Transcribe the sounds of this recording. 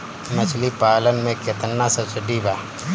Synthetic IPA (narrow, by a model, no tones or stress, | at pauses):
mɐt͡ʃʰlipaːlənmẽket̪ənːasɐsəɖibaː